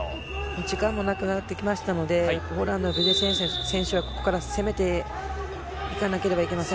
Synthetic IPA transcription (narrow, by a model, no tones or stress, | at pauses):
mod͡ʑikãmːonakɯ̟nat̪ːe̞kʲimaɕi̥t̪ano̞d̪e̞hoɾãnd̪obʲidesẽɰ̃ɕsẽ̞ɰ̃ɕɨβako̞ko̞̥kaɾase̞me̞t̪e̞ | ikanake̞ɾe̞baike̞masẽ